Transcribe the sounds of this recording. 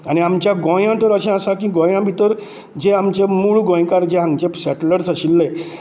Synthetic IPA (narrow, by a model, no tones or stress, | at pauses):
añiamt͡ɕjaɡõjãt̪əɾəɕɛ̃asakĩɡɔ̃jãbʱit̪əɾ | d͡ʑeamt͡ɕemuɭɡɔ̃jkaɾd͡ʑeɦãŋɡt͡ɕeɕɛʈləɾsaɕilːe